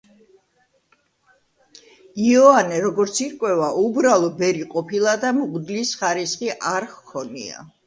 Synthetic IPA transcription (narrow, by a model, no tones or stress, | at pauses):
iɔanɛɾɔɡɔɾt̪sʰiɾkʼwɛvaʔubɾalˠɔbɛɾiqʼɔpʰilˠad̪amuɡd̪lisχaɾisχiʔaɾχkʰɔnḭa̰